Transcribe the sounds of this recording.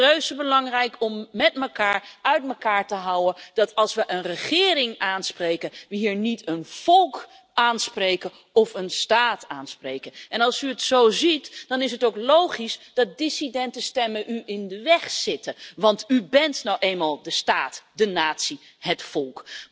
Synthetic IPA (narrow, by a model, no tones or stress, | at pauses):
røɥsəbəlɑŋrɛjkɔmːɛtməkaːɹœɥtməkaːɹtəɦʌwənd̥ɑtɑlˠsʋəʔənrəχɪːɾɪŋaːnsprejkənʋəɦiːɹnitənv̥ɔlˠk | aːnsprejkə | ɔfənstaːtaːnsprejkənʔɛnɑlˠsyətsowzitd̥ɑnɪs̬ɦətowklowχisd̥ɑt̚disidɛntəstɛməʔyʔɪndəʋɛχsɪtəʋɑntybɛntnowʔejnmaːlˠdəstaːtdənaːtsi | ɦətfɔlˠk